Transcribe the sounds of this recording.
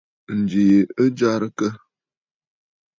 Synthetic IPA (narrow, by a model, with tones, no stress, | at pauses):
n̩˨d͡ʒi˨je˨ə˦d͡ʒa˦ɾə˦kə˦